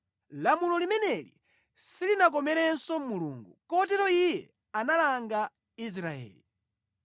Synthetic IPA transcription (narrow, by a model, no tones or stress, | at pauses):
lamulɔlimɛnɛlḭ | silinak̬ɔmɛɾɛnsɔmuluːŋɡukɔt̬ɛɾɔijɛ | analaŋɡa | is̬ɾaɛ̰ːli